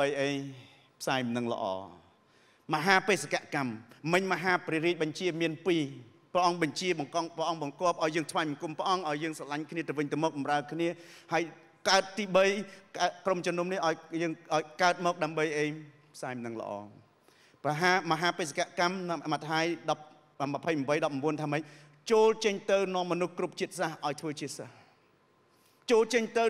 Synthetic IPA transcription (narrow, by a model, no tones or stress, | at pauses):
əjʔəːɲ | pʰsaːjmnɨŋlə̰̆ʔɑ̰ː | məɦaːpeːsakaʔkamːɨɲməɦaːpriɾiəc̚ɓɑɲt͡ɕiəmiənpiː | prɛʔɑŋɓɑɲt͡ɕiəɓɑŋŋprəʔɑŋɓɑŋkŏəp̚ʔaɔjəːŋt̪ʰʋajmkumpə̆ʔɑŋʔaɔjːəːŋsalaɲkʰniət̪ɨwʋɨɲt̪ɨəwmɔːk̚ɓɑmraəkʰniəhaəj | kaət̪̚t̪iːɓəjkakromt͡ɕɔnuəmnihʔaɔjjəːŋʔaɔjkaət̪̚mɔːk̚ɗaəmɓəjʔeː | pʰsaːmnɨŋlə̰̆ʔɑ̰ː | prɑɦaːməɦaːpeːs̬akaʔkamnmat̪ʰajɗɑp̚ | məpʰəjməpəjɗɑp̚rmɓuənt̪ʰaːmɨc̚ | t͡ɕoːlt͡ɕəɲt̪ɨwnŏəmːɔnuhkrup̚t͡ɕiət̪̚sahʔaɔjt̪ʰʋəːt͡ɕiəsəh | t͡ɕoːlt͡ɕəɲt̪ɨw